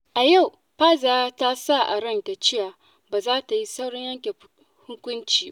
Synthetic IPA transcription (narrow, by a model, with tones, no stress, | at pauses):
ʔa˨ja˦˨w | ɸaː˦zaː˨˦ta˦sa˦˨ʔa̰˨ɽɐ˦ŋta˨t͡ʃɪ˦jaː˨ | baː˨zaː˦ta˨ji˦sa˦wɽɔ˦ɲjɐ˦ŋkʲe˨ | hʊ˦kʷʊ˦nt͡ʃiː˨˦